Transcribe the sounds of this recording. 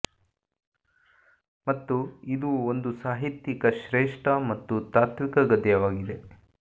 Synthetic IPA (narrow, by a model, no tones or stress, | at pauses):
mɐt̪ːuid̪uond̪usaːɦit̪jikɐʃɾeːʂʈʰɐmɐt̪ːut̪aːt̪ʰʋikɐɡɐd̪jɐʋaːɡid̪e̞